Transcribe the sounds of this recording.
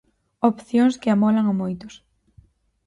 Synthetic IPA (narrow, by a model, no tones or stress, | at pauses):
opθjoŋskɪamɔlaŋamojt̪os